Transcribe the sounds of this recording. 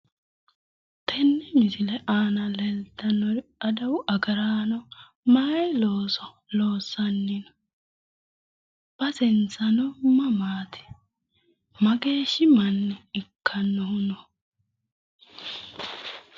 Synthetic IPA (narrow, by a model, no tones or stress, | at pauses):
t̪ɛnːɛmɪsɪlɛʔaːnɐlɛlt̪ːɐnːɔɾɐd̪ɐwʊʔɐɡɐɾaːnɔ | maːjɛlo̞ːsɔ | lo̞ːsːɐnːɪnʊ | b̥ɐzɛnt͡sɐnɔmɐmaːt̪ɪ̥ | mɐɡe̞ːʃːɪmɐnːɪɪkʰːɐnːɔhʊnɔ